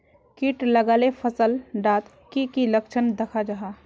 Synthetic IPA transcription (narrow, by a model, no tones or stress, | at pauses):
kiʈləɡaːlepʰəsəlɖaːt̪ | kikiləkt͡ʃʰənd̪əkʰad͡ʒaɦa